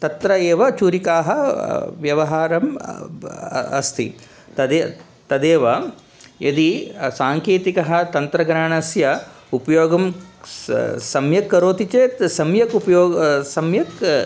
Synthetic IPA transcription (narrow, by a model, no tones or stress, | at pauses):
t̪ɐt̪ɾɐeːʋɐt͡ʃuɾikaːɦɐʋjɐʋɐɦaːɾɐm̰ | ɐ̰st̪ʰḭ | t̪ɐd̪e | t̪ɐd̪eːʋɐ | jʔɐd̪isaːŋkeːt̪ikɐɦɐ̆t̪ɐnt̪ɾɐɡɾaːɳɐsjɐ | upɐjoːɡɐm | sɐmjɐkːɐɾoːt̪it͡ʃeːt̪sɐmjɐkupɐjoːsɐmjɐk